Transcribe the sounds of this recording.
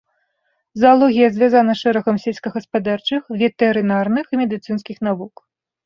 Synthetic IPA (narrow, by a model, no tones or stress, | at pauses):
zɐalˠɔɣʲijɐzʲvʲazanɐʂɛɾɐɣɐmsʲelʲsʲkɐɣɐspad̪art͡ʂɨxvʲɛt̪ɛɾɨnarnɨximʲɛd̪ɨt̪sɨn̪skʲixnavuk